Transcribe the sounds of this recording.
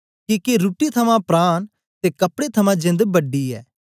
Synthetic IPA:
kiːkeɾuːʈit̪ʰəmãpɾaːn | t̪eːkəpɽeːt̪ʰəmãːd͡ʒɪ̃nd̪bəɖːiːɛ̰ː

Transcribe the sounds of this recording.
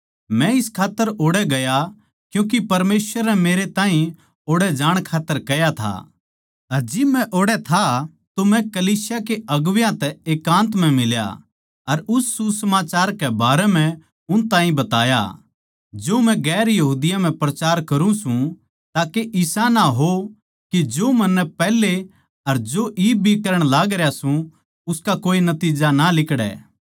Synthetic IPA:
mɛ̃ɪskʰaːt̪ːəɾoːɽɛɡɐja | kjũːk̬ipɐɾmeːswəɾɛmeːɾet̪aːɦĩ | oːɽɛd͡ʒaːɽ̃kʰaːt̪ːəɾkɐjat̪ʰa̰ | ɐɾd͡ʒɪmːɛ̃ʔoːɽɛt̪ʰa | t̪omɛ̃kɐliːsjakeɐɡʋjãt̪ɛeːkːãːnt̪m̤ɛ̃mɪlja̰ | ɐɾʊsːusɐmaːt͡ʃaːɾkɛbaːɾɛm̤ɛ̃ | ʊnt̪ãːĩbɐt̪aːja̰ | d͡ʒoːmɛ̃ɡɛːɾjɐɦuːd̪ɪjãm̤ɛ̃pɾɐt͡ʃaːɾkɐɾũsũ | t̪aːkeʔɪsãnaɦo | kid͡ʒoːmɐnːɛpɛːle | ɐɾd͡ʒoːʔiːb̚bʱikɐɾəɽ̃laːɡɾjasũ | ʊskakoːinɐt̪iːd͡ʒanalɪkɽɛ̰ː

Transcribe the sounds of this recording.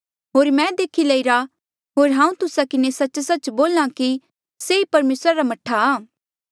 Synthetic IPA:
ɦoːɾmɛ̃d̪eːkʰilɐiɾa | ɦoːɾɦãːũt̪ʊsakɪnesɐt͡ʃsɐt͡ʃboːlãki | seipɐɾmeːsɾaɾamɐʈʰaaː

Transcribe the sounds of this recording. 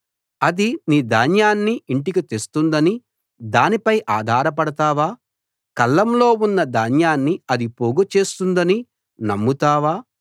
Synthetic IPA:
ɐd̪iniːd̪aːnjaːnːiiɳʈikit̪est̪und̪ɐni | d̪aːnipɐjʔaːd̪ʱaːɾɐp̬ɐɽɐt̪aːʋaː | kɐlːɐmlo̞ːunːɐd̪aːnjaːnːiɐd̪ipoːɡut͡ʃe̞ːst̪und̪ɐni | nɐmːut̪aːʋaː

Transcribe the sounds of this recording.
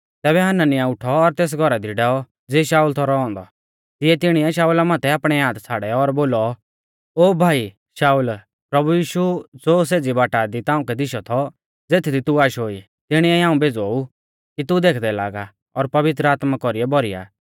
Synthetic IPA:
t̪ɛːbɛɦananɪjaʊʈʰɔːɾt̪eːs̬ɡʱɔɾad̪iɖɛːɔ | d͡zeːʃaːuːlt̪ʰɔɾɔɔ̃ːnd̪ɔ | t̪ɪjɛt̪ɪɽ̃iɛʃaːulamãːt̪ʰɛaːpɽ̃ɛjaːt̪t͡sʰaːɽɛɔɾboːlɔ | oːbʱaːi | ʃaːuːl | pɾɐbujiːʃud͡zoːs̬eːd͡zibaːʈad̪it̪ãːʊ̃kɛd̪ɪʃɔt̪ʰɔ | d͡zeːt̪ʰid̪it̪uaːʃoːi | t̪ɪɽ̃iɛiɦãːũbeːd͡zou | kit̪ud̪eːkʰd̪ɛla̰ːɡa | ɔɾpɐʋɪt̪ɾəaːt̪makɔɾiɛbɔɾija̰ː

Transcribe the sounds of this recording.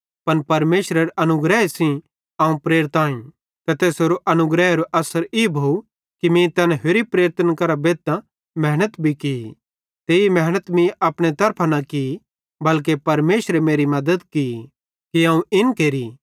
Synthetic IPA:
pɐnpɐɾmeːʃɾeɾɐnʊɡɾɛesĩ | ãːũpɾeːɾɪt̪ãːĩ | t̪ɐt̪eːsoɾoʔɐnʊɡɾɛːɦɾoʔɐsəɾiːbʱou | kimĩt̪ɐnɛ̃ɦeɾipɾeːɾt̪ənkɐɾabeːt̪ːã | mɛːɦnət̪bʱiki | t̪eːimɛɦnət̪mĩʔɐpɽ̃et̪ɐɾpʰanɐki | bɐlk̬epɐɾmeːʃɾemeːɾimɐd̪əd̪ki | kiãːũʔɪnkeːɾi

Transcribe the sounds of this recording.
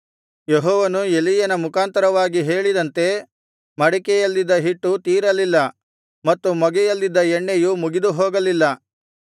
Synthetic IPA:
jeɦɔːʋɐnuelijɐnɐmukʰaːnt̪ɐɾɐʋaːɡiɦe̞ːɭid̪ɐnt̪e̞ | mɐɽikɛjɐlːid̪ːɐɦiʈːut̪iːɾɐlilːɐ | mɐt̪ːumɐɡɛjɐlːid̪ːɐɛɳːejumuɡid̪uɦoːɡɐlilːɐ

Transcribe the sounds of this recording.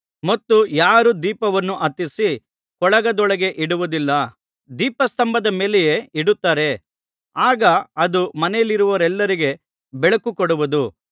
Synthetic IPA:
mɐt̪ːujaːɾud̪iːpɐʋɐnːuʔɐt̪ːisi | kɔɭɐɡɐd̪ɔɭɐɡe̞ʔiɽuʋud̪ilːɐ | d̪iːpɐst̪ɐmbɐd̪ɐme̞ːlejeːiɽut̪ːaːɾe̞ | aːɡɐɐd̪umɐnɛjɐliɾuʋɐɾɛlːɐɾiɡe̞ | bɛɭɐkukɔɽuʋud̪u

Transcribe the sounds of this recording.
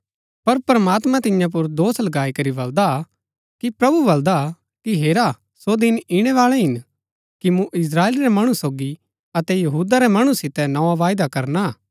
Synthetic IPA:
pɐɾpɾmaːt̪mãt̪ɪjãp̬ʊɾd̪oːslɐɡaːikɐɾibɐld̪a | kipɾɐbubɐld̪a | kiɦeːɾa | sod̪ɪnɪɽ̃ɛʋaːlɛɦɪn | kimũʔɪs̬ɾaːeːliɾɛmɐɽ̃usoːɡi | ɐt̪ɛjɐɦuːd̪aɾɛmɐɽ̃ũsɪt̪ɛnɐʋaʋaːjd̪akɐɾna

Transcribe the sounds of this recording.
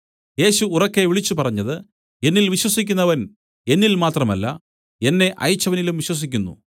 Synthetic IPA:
je̞ːɕuːrɐkːe̞ʋiɭit͡ɕːupɐrɐɲːɐðɨ | e̞nːilʋiɕwɐsikʲːunːɐʋɐn | e̞nːilmaːt̪rɐmɐlːɐ̰ | e̞nːe̞ʔɐ̰jɐt͡ɕːɐʋɐnilumʋiɕwɐs̬ikʲːunːṵ

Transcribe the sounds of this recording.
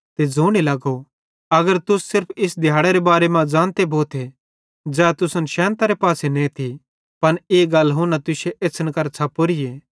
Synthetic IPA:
t̪ed͡zuːɽ̃ilɐɡo | ɐɡəɾt̪ʊssɪɾpʰɪsd̪ʱjaːɽeɾebaːɾemãd͡ʒãːnt̪ebʱoːt̪ʰe | d͡ʒɛːt̪ʊsənʃɛ̃ːnt̪aɾepaːsenẽt̪ʰi | pɐneːɡɐlɦʊnat̪ʊseʔesʰənkɐɾt͡ʃʰapoɾɪjeː

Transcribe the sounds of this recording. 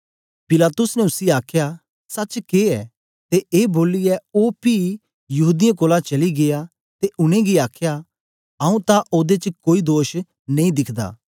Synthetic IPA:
pɪlaːt̪ʊsnɛ̃ʊsiaːkʰja | sɐt͡ʃkeɛː | t̪eʔeːboːliɛoːpi | jɐɦuːd̪ɪjãkoːlat͡ʃɐliɡeja | t̪eʔʊñẽɡiaːkʰja | ɐũt̪aʔoːd̪et͡ʃəkoːid̪oːʃ | nɐ̃ĩd̪ɪkʰd̪a̰ː

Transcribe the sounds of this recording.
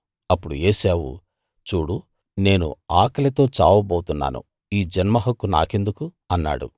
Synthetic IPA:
ɐpːuɽujeːseːwṵ | t͡ʃuːɽu | ne̞ːnṵaːkɐlet̪o̞ːt͡ʃaːwɐboːwt̪unːa̰ːnṵ | iːd͡ʒɐnmɐɦɐkːuna̰ːke̞nd̪uku | ɐnːa̰ːɽṵ

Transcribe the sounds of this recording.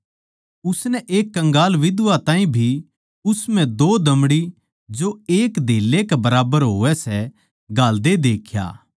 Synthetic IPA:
ʊsnɛʔeːkːɐ̃ŋɡaːlʋɪd̪ʋat̪ãːĩbʱi | ʊsmɛ̃d̪oːd̪ɐmɽi | d͡ʒoeːkd̪ʱeːlːekɛbɐɾaːbəɾɦoːɛsɛ | ɡaːld̪ed̪eːkʰja̰ː

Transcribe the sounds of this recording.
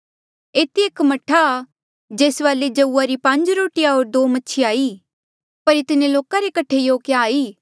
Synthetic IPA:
eːt̪ieːkmɐʈʰa | d͡ʒeːsʋaːled͡ʒɐuːaɾipɐ̃ɲd͡ʒɾoːʈɪjaɦoːɾd̪oːmɐːʃʰiaːiː | pɐɾet̪ɪnẽloːkaɾekɐʈʰejoːkjaːiː

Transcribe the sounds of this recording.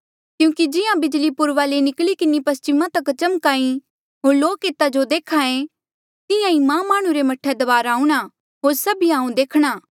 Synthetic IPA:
kjũːkid͡ʒɪjãbɪd͡ʒlipʊɾʋalenɪklikɪnipɐst͡ʃɪmãt̪ɐkt͡ʃɐmkaːĩ | ɦoːɾloːkeːt̪ad͡ʒod̪eːkʰaːẽ | t̪ɪjãimãmːaːɽ̃ũɾemɐʈʰːed̪ɐʋaːɾaːũɽ̃a | ɦoːɾsɐbiaːũd̪eːkʰɽ̃aː

